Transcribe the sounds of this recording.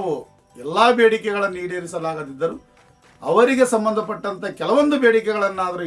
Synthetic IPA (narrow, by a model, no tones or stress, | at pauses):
ʋu | ɛlːaːbeːɽikɛɡɐɭɐnːiːɽeːɾisɐlaːɡɐd̪id̪ːɐɾu | ɐʋɐɾiɡe̞sɐmbɐnd̪ʱɐp̬ɐʈːɐnt̪ɐkɛlɐʋond̪ubeːɽikɛɡɐɭɐnːaːd̪ɐɾu